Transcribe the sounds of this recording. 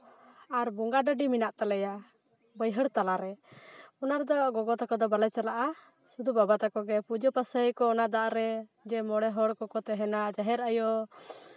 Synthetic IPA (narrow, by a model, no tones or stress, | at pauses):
aɾbɔŋɡaɖəɖiminaʔt̪alɛja | bəjɦəɽt̪alaɾɛɔnaɾd̪ɔʔɡɔɡɔt̪akɔd̪ɔbalat͡ʃalaʔa | sud̪ubabat̪akɔɡɛpud͡ʒɔpasəikɔːnad̪aʔɾɛd͡ʒɛmɔɽɛɦɔɽkɔkɔt̪ɛɦɛnad͡ʒaɦɛɾəjɔ